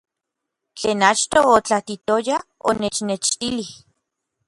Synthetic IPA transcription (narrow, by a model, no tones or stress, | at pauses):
t͡ɬeːnat͡ʃt̪oːt͡ɬat̪it̪ojao̰net͡ʃnet͡ʃt̪ilih